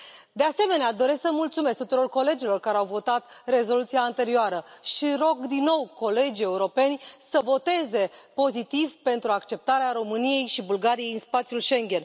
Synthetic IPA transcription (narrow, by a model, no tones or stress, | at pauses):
d̪e̞ase̞me̞nead̪o̞ɾesksəmult̪sume̞sk̚t̪ut̪uɾo̞rko̞le̞d͡ʒilo̞rkaɾeawvo̞t̪at̪ | re̞zo̞lut̪siaːnt̪e̞ɾioaɾəʃiɾo̞ɡd̪inːo̞wko̞le̞d͡ʒie̞uɾo̞pe̞nʲsəvo̞t̪e̞ze̞po̞zit̪ivpe̞nt̪ɾuakt͡ʃe̞p̚t̪aɾeaɾo̞mɨnije̞jʃibulɡaɾijejɨnspat̪sjulʃe̞ŋɡʲe̞n